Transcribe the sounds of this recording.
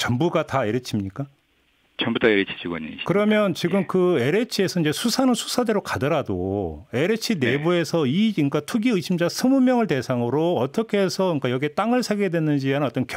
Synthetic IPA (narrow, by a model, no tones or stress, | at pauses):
t͡ɕʌmbuɡataeɾet͡ɕʰimɲik͈a | t͡ɕʌmbutʰaeɾet͡ɕʰi̥t͡ɕʰiɡwa̰ɲḭkɯɾʌmjʌnt͡ɕiɡɯmkɯe̞ɾe̞t͡ɕʰie̞sʰʌind͡ʑe̞sʰusʰanɯnsʰu̥sʰade̞ɾokadʌɾado̰e̞ɾet͡ɕʰinebue̞sʰʌiik͈atʰuɡiɯɕʰimd͡ʑasʰɯmumjʌŋɯɭte̞sʰaŋɯɾoʌt͈ʌkʰe̞sʰʌɲik͈ajʌɡiet͈aŋɯɭsʰaɡedwe̞nɯnd͡ʑiɦanɯnʌt͈ʌnkj